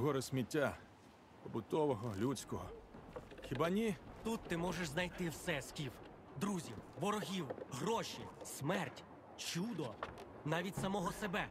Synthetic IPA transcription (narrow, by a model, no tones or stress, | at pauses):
ɦɔɾɪsʲmʲitʲːa | pɔbʊt̪ɔʋɔɦɔlʲut͡sʲkɔɦɔ | xʲibɑnʲit̪ut̪ːɪmɔʒeʃznɐjt̪ɪwsɛskʲiw | d̪ɾuzʲiwʋɔɾɔɦʲiwɦrɔʃʲismɛrtʲ | t͡ʃud̪ɔ | nɑʋʲit̚ʲsɐmɔɦɔsebɛ